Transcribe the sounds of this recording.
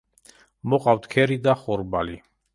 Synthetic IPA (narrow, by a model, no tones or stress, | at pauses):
mɔqʼawt̪ʰkʰɛɾid̪aχɔɾbali